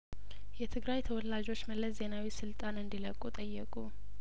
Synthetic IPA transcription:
jɛt̪ʰɨɡɾajt̪ʰəwɔlad͡ʒo̞t͡ʃːməlːəsze̞nawisɨlt̪ʼanɨnd̪iləkʼut̪ʼəjːɛkʼu

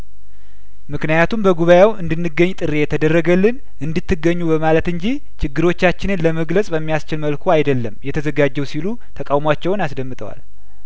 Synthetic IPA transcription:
mɨknijat̪ʰumbəɡuβajawɨnd̪ɨnːɨɡːəɲːt̪ʼɨɾe̞jɛt̪ʰəd̪ərːəɡəlːɨn | ʔɨnd̪ɨt̪ːɨɡːəɲːubəmalət̪ɨɲd͡ʒi | t͡ʃɪɡːɨɾo̞t͡ʃːat͡ʃːɪnɨnləməɡləsʼbəmːijast͡ʃɪlməlkʰoajd̪əlːəmjɛt̪ʰəzəɡad͡ʒːɛwsilu | t̪ʰəkʼawmat͡ʃːɛwnasd̪əmːɨt̪ʰʼə̰wa̰l

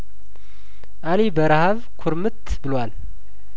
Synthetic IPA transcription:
ʔalibəɾahaβ | kʰʊɾmɨt̪ | bɨlwal

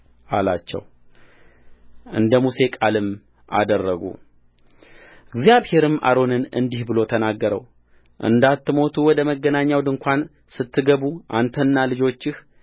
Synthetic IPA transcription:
ʔalat͡ʃːɛ̰w | ʔɨ̰nd̪əmuse̞kʼalɨm | ʔa̰d̪ərːəɡṵ | ɡzjaβhe̞ɾɨmʔa̰ɾo̞nɨnɨ̰nd̪ihbɨlo̞t̪ʰənaɡːəɾə̰w | ʔɨ̰nd̪at̪ːɨmo̞t̪ʰuwɔd̪əməɡːənaɲːawd̪ɨŋkʷʰan | sɨt̪ʰːɨɡəβuʔant̪ʰənːalɨd͡ʒo̞t͡ʃːɪh

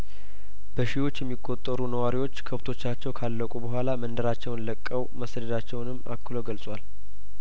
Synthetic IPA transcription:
bəʃiwo̞t͡ʃːjɛmːikʼːo̞t̪ʼːəɾunəwaɾiwo̞t͡ʃːkʰəft̪ʰo̞t͡ʃːat͡ʃːɛwkʰalːəkʼubəɦʷalamənd̪əɾat͡ʃːɛwnləkʼːəwməsd̪əd̪at͡ʃːɛwnɨmːakʰːɨloɡəlsʼwal

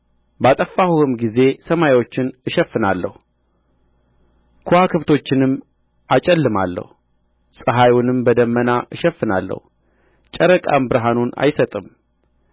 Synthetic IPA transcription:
bat̪ʼəfːahuhɨmɡize̞səmajwo̞t͡ʃːɪnɨʃɛfːɨnalːə̰hu | kʰoakʰɨβt̪ʰo̞t͡ʃːɪnɨmː | at͡ʃʼɛlːɨma̰lːə̰hu | sʼɨɦajunɨmbəd̪əmːənaʔɨʃɛfːɨna̰lːə̰hu | t͡ʃʼəɾəkʼambɨɾɦanuna̰jsət̪ʼɨm

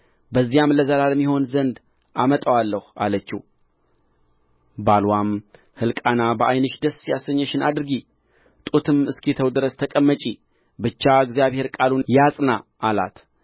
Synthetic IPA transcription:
bəzːijamləzəlalmːiho̞nzənd̪ | ʔamət̪ʼəwalːəha̰lət͡ʃːḭ | balwam | hɨlkʼanabəʔajnɨʃd̪əsjasəɲːəʃɪnad̪ɨɾɨɡi | t̪ʼut̪ʰɨmɨskʰit̪ʰəwd̪ɨɾəst̪ʰəkʼəmːət͡ʃʼi | bɨt͡ʃːaɨɡzijaβhe̞ɾkʼalunjasʼnaʔːla̰t̪

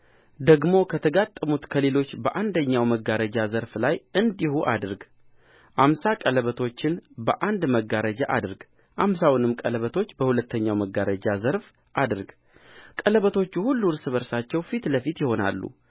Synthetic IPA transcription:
d̪əɡmo̞kʰət̪ʰəɡat̪ʼːəmut̪kʰəle̞lo̞t͡ʃːbəʔand̪əɲːawməɡːaɾəd͡ʒazəɾflajɨnd̪ihuʔa̰d̪ɨɾɡ | ʔamsakʼələβət̪ʰo̞t͡ʃːɪnbəʔand̪məɡːaɾəd͡ʒaʔa̰d̪ɨɾɡ | ʔamsawnɨmkʼələβət̪ʰo̞t͡ʃːbəhulət̪ːəɲːawməɡːaɾəd͡ʒazəɾf | ʔad̪ɾɡ | kʼələβət̪ʰo̞t͡ʃːuhulːuɾsɨβəɾsat͡ʃːɛwfit̪ləfit̪jɪho̞na̰lːṵ

